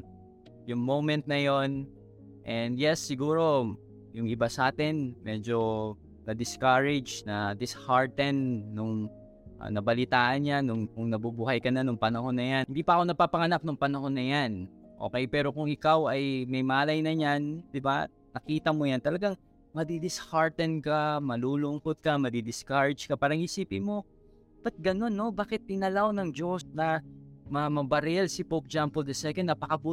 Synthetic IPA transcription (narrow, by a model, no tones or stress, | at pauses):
jʊŋmowmɛnt̪̚nɐjo̞n | ʔɛnd̪jɛsːɪɡuːɾo̞ | jʊŋʔɪbasɐaːt̪ɛnmɛd͡ʒo̞ | nɐd̪ɪskaɹɛd͡ʒnɐd̪ɪshaɹt̪ɛnːʊŋ | ʔa̰nɐbɐlɪt̪aːʔɐnɲanʊŋkʊŋnɐbubuːhɐjkɐnanʊŋpɐnɐho̞nɐjanhɪnd̪iːpɐʔɐko̞nɐpaːpɐŋɐnap̚nʊŋpɐnɐho̞nɐjanʔo̞̰kɛjpɛːɾo̞kʊŋʔɪkawɐjmɐjmaːlɐjnɐɲand̪ɪba̰ | nɐkiːt̪ɐmojant̪ɐlɐɡaŋ | mɐd̪id̪ɪshaɹt̪ɛnkamɐluːlʊŋkot̪̚kɐmɐd̪id̪ɪskaɹd͡ʒkɐpaːɾɐŋhisiːpɪmo̞ | bɐt̪̚ɡɐno̞nːo̞baːkɪt̪̚ːɪnɐlawnɐŋd͡ʒo̞snɐmɐmɐbɐɾɛlsɪpok̚d͡ʒampʊld̪ɛsɛkɛnːɐpɐkɐbuː